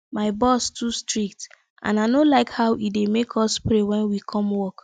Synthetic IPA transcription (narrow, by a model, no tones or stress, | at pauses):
maɪbɔstʰustɹik̚t | ʔã̰naɪnolaɪkhaʊʔidemekʰɔspɾewɛ̃nwikʰɔ̃mwɔk